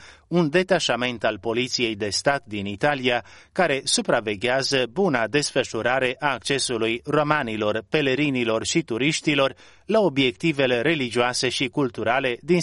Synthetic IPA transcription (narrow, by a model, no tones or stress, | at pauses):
und̪e̞t̪aʃame̞nt̪alpo̞lit̪sije̞jd̪e̞st̪at̪d̪init̪aliakaɾe̞supɾave̞ɡʲeazəbunad̪e̞sfəʃuɾaɾe̞ʔaːk̚t͡ʃe̞sulujro̞manilo̞rpe̞le̞ɾinilo̞rʃit̪uɾiʃt̪ilo̞r | lao̞bje̞k̚t̪ive̞le̞ɾe̞lid͡ʒiase̞ʃikult̪uɾale̞d̪in